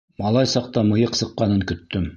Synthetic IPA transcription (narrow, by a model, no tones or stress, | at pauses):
mɑlˠɑjsɑq̚t̪ɑmɤ̆jɤqsɤ̆qːɑnɤŋkɵ̆t̪ːɵm